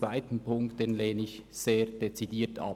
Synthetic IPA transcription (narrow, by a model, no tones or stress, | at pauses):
vaɪtn̩pʰʊŋktdeːnleːnɪçz̥eːɐd̥et͡sidiːtʰɑ̰